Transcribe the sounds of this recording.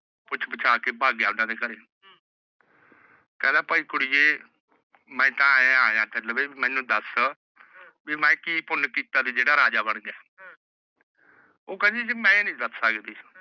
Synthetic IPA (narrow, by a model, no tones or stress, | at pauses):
pʊt͡ʃʰbət͡ʃʰaːkeːbʱaːɡjaːʊnãːd̪eːkəɾeː | kɛ̃ːd̪ãːpəiːkʊɽijeː | mɛ̃ːt̪ãːãːãːt̪eləbeːbimɛ̃ːnũːd̪əs | biːmɛ̃ːkiːpʊnkiːt̪aːd̪iːd͡ʒeːɽaːɾaːd͡ʒaːbəɳ̃ɡɛː | oːkɛ̃ːd͡ʒiːd͡ʒemɛ̃ːnĩːd̪əsːəkd̪iː